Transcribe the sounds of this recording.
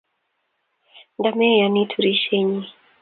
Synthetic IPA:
ndamɛjanitʰuɾiʃɛɲi

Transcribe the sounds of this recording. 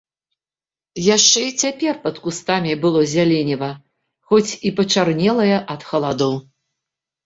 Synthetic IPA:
jaʂt͡ʂɛit͡sʲapʲɛrpɐt̪kust̪amʲibɨlˠɔzʲalʲɛnʲivɐ | xɔt͡sʲipɐt͡ʂarnʲɛlˠɐjɐʔɐt̪xɐlˠad̪ɔw

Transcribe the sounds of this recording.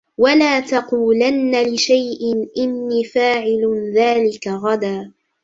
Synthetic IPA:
walaːt̪ɑquːlanːalɪʃajʔɪnʔɪnːiːfaːʕɪlðaːlɪkaɣad̪aː

